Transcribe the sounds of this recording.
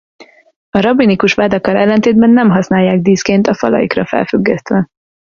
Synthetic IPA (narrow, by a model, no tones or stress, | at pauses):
ɒɾɒbinikuʃʋaːd̪ɒkɒlɛlːɛnt̪eːd̪bɛnːɛmɦɒsnaːjːaːɡ̚d̪iːskeːnt̪ɒfɒ̰lɒ̰jḭkrɒfɛ̰lfyɡːɛst̪ʋɛ